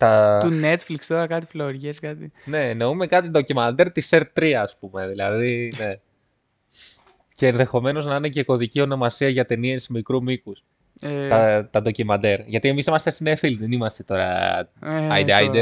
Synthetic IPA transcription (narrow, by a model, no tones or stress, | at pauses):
t̪ɐt̪unnet̪flikst̪oɾɐkɐt̪ifloɾʝeskɐt̪ine̞no̞ume̞kɐt̪ind̪o̞cimɐnd̪eɾt̪iseɾt̪t̪ːɾiɐːspume̞ðilɐðine̞ | ce̞ːnðe̞xo̞me̞no̞znɐine̞ce̞ko̞ðicio̞no̞mɐsiɐʝɐt̪e̞niesimikɾumikus | t̪ɐt̪ɐnd̪o̞cimɐnd̪eɾʝɐt̪ie̞misimɐst̪esinefilðenimɐst̪e̞t̪o̞ɾɐ̰ | ɐjd̪ɐjd̪e